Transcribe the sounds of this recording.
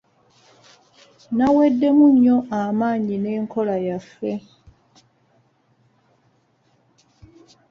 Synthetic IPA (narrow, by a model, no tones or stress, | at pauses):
nawe̞dːe̞muɲːo̞ʔamaːɲine̞ːŋkʰo̞lajafːe̞